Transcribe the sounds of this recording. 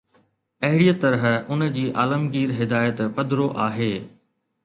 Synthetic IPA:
ɐɦɪɽiːət̪ɐɾəɦʊnəd͡ʑiːʔaːləmɡiːɾɦɪd̪aːjət̪pɐd̪ɾoʔaːɦeː

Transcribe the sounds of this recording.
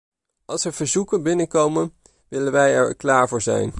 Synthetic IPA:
ɑlˠsəɹv̥əɹzukənbɪnəkowmən | ʋɪlənʋɛjɛɹklaːɹvʊːɹzɛ̰jn

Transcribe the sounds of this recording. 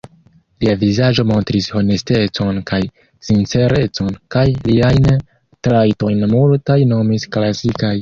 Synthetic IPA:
liavizad͡ʒo̞mo̞ntɾisho̞ne̞ste̞t͡so̞nkaj | sint͡se̞ɾe̞t͡so̞nkajliajn | tɾajto̞jnmultajno̞misklasikaj

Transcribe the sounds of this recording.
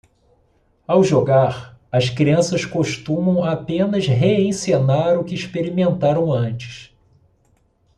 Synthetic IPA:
awʒoɡaɾɐskɾiɐ̃sɐskoʃt̪ũmɐ̃w̃apẽnɐzɦeẽj̃senaɾʊkɪːʃpeɾimẽnt̪aɾɐ̃w̃ɐ̃nt͡ʃɪ̥s

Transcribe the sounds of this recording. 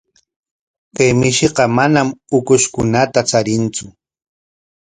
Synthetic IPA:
kajmɪʃɪqɑmanamʊkʊʃkʊnat̪at͡saɾɪnt͡sʊ

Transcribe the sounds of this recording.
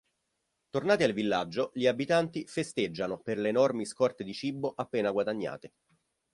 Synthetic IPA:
t̪ornaːt̪ialvilːad͡ʒːoʎiabit̪ant̪ifest̪ed͡ʒːanoperleːnɔrmiskɔrt̪ed̪it͡ʃibːoʔapːeːnaɡwad̪aɲːa̰ːt̪e

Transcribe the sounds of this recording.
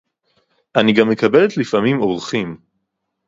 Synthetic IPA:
ʔaniɡamːekabelet̪lifamimoʁχim

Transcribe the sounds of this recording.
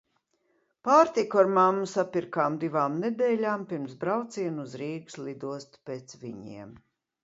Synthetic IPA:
paːɾt̪ikuaɾmamːusapiɾkaːmd̪ivaːmned̪ɛːlʲaːmpiɾmsbɾawt̪siɛnuzɾiːɡ̥slˠid̪uɔst̪peːt̪sviɲḭɛm

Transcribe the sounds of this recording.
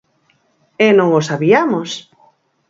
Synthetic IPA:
ɛnõŋosaβiamos

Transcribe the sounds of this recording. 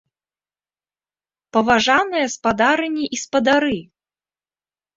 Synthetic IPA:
pɐvaʐanɨjɐspad̪aɾɨnʲiʔispɐd̪aɾɨ

